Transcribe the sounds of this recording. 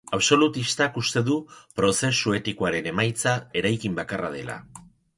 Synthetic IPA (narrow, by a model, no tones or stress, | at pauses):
aβso̞lut̪ist̪akust̪e̞ðupɾo̞se̞sue̞t̪ikoaɾe̞ne̞majt͡sae̞ɾajkimbakarað̞e̞la̰